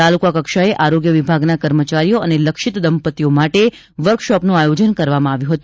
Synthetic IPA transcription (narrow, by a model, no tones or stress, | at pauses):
alukakəkʃaeʔaɾoɡjəʋibʱaɡnakəɾmət͡ʃaɾijoəneləkʃɪt̪d̪əmpət̪ijomaʈe | ʋəɾkʃɔpnũajod͡ʒənkəɾʋamãaʋjũɦət̪ũ̥